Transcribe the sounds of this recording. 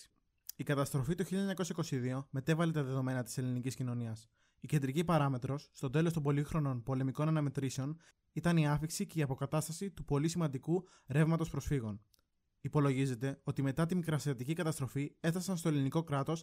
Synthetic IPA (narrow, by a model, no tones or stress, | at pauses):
ikɐt̪ɐst̪ɾo̞fit̪uçiʎɐɲɐko̞sɐiko̞siðio̞me̞t̪e̞vɐle̞t̪ɐðe̞ðo̞me̞nɐt̪ise̞liniciscino̞niɐs | ice̞nd̪ɾicipɐɾɐme̞t̪ɾo̞sːt̪o̞t̪e̞lost̪ombo̞lixɾo̞no̞npo̞le̞miko̞nɐnɐme̞t̪ɾiseo̞n | it̪ɐniɐfiksice̞iɐpo̞kɐt̪ɐst̪ɐsit̪upo̞lisimɐnd̪iku | ɾe̞vmɐt̪o̞spɾo̞sfiɣo̞n | ipo̞lo̞ʝize̞t̪e̞o̞t̪ime̞t̪ɐt̪̬imikɾɐsiɐt̪icikɐt̪ɐst̪ɾo̞fiefθɐsɐnst̪o̞eliniko̞kɾɐt̪o̞s